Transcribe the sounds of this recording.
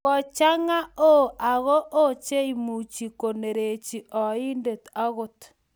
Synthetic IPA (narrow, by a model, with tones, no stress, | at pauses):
ɔ˨t͡ʃa˦ŋa˦o˦a˨ɣɔ˦ʔo˦t͡ʃe˦i˨mu˨t͡ʃi˨ko˨ne˨ɾe˨t͡ʃi˨ʔɔ˨i˦nde˨t̪a˦ɣo˦t